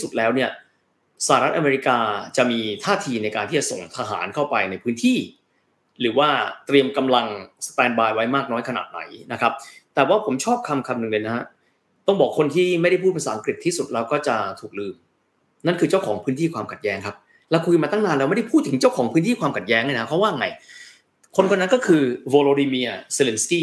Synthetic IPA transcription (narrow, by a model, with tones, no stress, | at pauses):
i˥˩su˨˩t̪̚lɛː˦˥wni˥˩ɐ | sa˧˩a˨˩ɾa˦˥t̪̚ʔa˧meː˧ɾi˦˥kaː˧t͡ɕa˨˩miː˧t̪ʰaː˥˩t̪ʰiː˧na˧jkaː˧ntʰi˥˩t͡ɕa˨˩so̰˨˩ŋt̪ʰaː˧ɦa̰ː˩˦nkʰa˥˩wpa˧jna˧jpʰɯː˦˥nt̪ʰiː˥˩ | ɾɯː˩˦waː˥˩t̪ɾi˧əmka˧mla˧ŋsḁ˧t̪ɛː˧nbaː˧jwa˦˥jmaː˥˩k̚nɔː˦˥jkʰa˧na̰ː˨˩t̪̚na̰˩˦jna˦˥kʰp̚t̪ɛː˨˩waː˥˩pʰo˩˦mt͡ɕʰɔː˥˩p̚kʰa˧mkʰa˧mnɯ˨˩ŋlɤː˧jna˦˥ha˦˥ | t̪ɔ˥˩ŋbɔː˨˩kʰːo˧nt̪ʰiː˥˩ma˥˩jda˥˩pʰuː˥˩t̚pe˧nsaː˨˦ʔŋkɾi˨˩t̪ʰːiː˥˩su˨˩t̪̚ɾɛː˧wkɔː˥˩t͡ɕa˨˩t̪ʰuː˨˩k̚lɯː˧m | na˥˩nkʰɯː˧t͡ɕa˥˩wkʰɔː˩˦ŋpʰɯː˦˥nt̪ʰiː˥˩kʰwaː˧mkʰa˨˩t̪̚jɛː˦˥ŋkʰa˦˥p̚ | lɛː˦˥wkʰu˧jmaː˧a˥˩ŋnaː˧lɛː˧wma˥˩da˥jpʰuː˥˩t̪ʰːɯ˩˦ŋt͡ɕa˥˩wkʰɔː˩˦ŋpʰɯː˦˥nt̪ʰiː˥˩kʰwaː˧mkʰt̪̚jɛː˦˥ŋha˥˩na˦a˥pʰɾɔ˦˥waː˥˩ʔŋa˧j | kʰo˧nkʰɔ˥˩na˦˥nkɔː˥˩kʰɯː˧woː˧loː˧ɾiː˧mi˧ɐse˧le˧nskiː˥˩